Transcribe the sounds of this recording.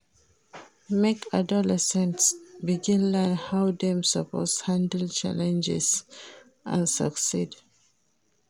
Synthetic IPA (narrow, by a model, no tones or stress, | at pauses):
mekʰadɔlɛsɛ̃ntsbiɡĩnlənhawdɛ̃msəpɔ̰shãndəlt͡ʃa̰lɛ̃nd͡ʒɛ̰s | ʔã̰nsə̰ksid